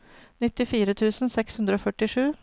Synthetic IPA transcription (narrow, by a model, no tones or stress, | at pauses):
nɪt̪ːɪfiːɾət̪ʰʉːsn̩sɛkshʉnd̪ɾəoːfœʈɪʂʉː